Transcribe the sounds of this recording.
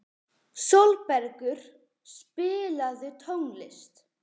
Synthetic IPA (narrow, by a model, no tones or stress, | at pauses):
solpɛɾkʏɾ̥ | spɪːlaðɪt̪ʰowŋlɪst̪